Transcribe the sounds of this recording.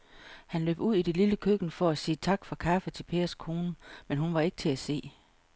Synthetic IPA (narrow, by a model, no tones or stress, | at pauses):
hænlø̰ːb̥uð̰ˠid̥eliləkʰøɡ̥n̩fɒ̽æsiːt͡sʰɑ̈ɡ̥fɒkʰæfət͡sʰe̝lpʰe̝̰ːɐskʰo̝ːnəmenɦunʋɑ̈e̝ɡ̥ə̥t͡sʰe̝æse̝̰ː